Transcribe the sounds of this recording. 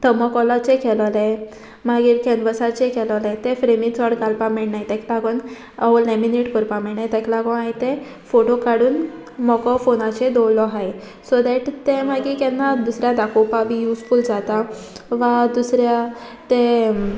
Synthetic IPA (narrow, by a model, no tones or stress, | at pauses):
t̪ʰəmɔkɔlat͡ɕekʰɛllẽ | maɡiːɾkʰɛnʋəsat͡ɕẽkʰɛlɔlẽt̪efɾemit͡sɔɽɡalpamɛɭɽnajt̪ɛ̃kʰlaɡɔn | aʋɔlɛmineʈkəɾpamɛɭnajt̪ɛ̃klaɡɔajt̪ẽ | foʈokaɽuːn | mɔkɔfonat͡ɕed̪ɔwlɔɦaj | sɔd̪ɛʈt̪ẽmaɡikɛnːad̪usɾjad̪akɔpabijuskuːld͡zat̪aʋad̪usɾjat̪e